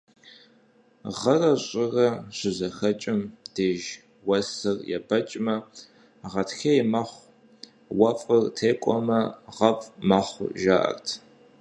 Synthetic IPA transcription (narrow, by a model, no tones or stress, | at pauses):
ʁɐrɐɕʼɪrɐɕɪzɐxɐt͡ʃʼɪmd̥eːʒ | wɐsɨrjɛ̰bɐt͡ʃʼmɐ | ʁɐtxɐjmɐχʷ | wɐfʼɐrtʰeːkʷʼɔmɐʁɐfʼmɐχʷʒa̰ːʔɐ̰rtʰ